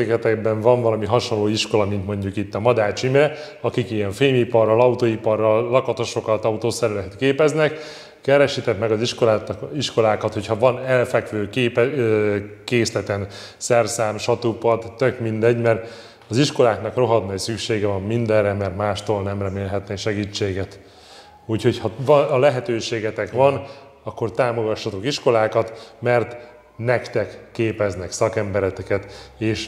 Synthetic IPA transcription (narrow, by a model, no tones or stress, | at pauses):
ekɛt̪ɛɡ̚bɛɱvɒɱvɒlɒmiɦɒʃo̞nloːiʃko̞lɒmint̪mo̞ɲɟukit̪ːɒmɒd̪aːt͡ʃimrɛ | ɒkikijɛɱfeːmipɒrːɒlɒut̪oːipɒrːɒlːɒkɒt̪o̞ʃo̞kɒt̪ɒut̪oːsɛɾɛlɛt̪keːpɛznɛk | kɛɾɛʃit̪ɛt̪mɛɡɒziʃkoiʃko̞laːkɒt̪ho̞chɒvɒnɛlfɛkʋøːkeːpɛ | keːslɛt̪ɛn | sɛrsaːmʃɒt̪upɒd̪ːøkmind̪ɛɟːmɛrt̪ | ɒziʃko̞laːknɒkro̞ɦɒd̪nɒisykʃeːɡɛvɒmːind̪ɛrɛmɛrt̪maːʃt̪oːlnɛmrɛmeːlɦɛt̪neʃɛɡiːt͡ʃːeːɡɛt̪ | uːcho̞chɒvlɛɦɛt̪øːʃeːɡɛt̪ɛkʋɒn | ɒkːo̞rt̪aːmo̞ɡɒʃːɒt̪o̞kiʃko̞laːkɒt̪mɛrt̪ | nɛkt̪ɛkːeːpɛznɛksɒkɛmbɛɾɛt̪ɛkɛt̪eːʃ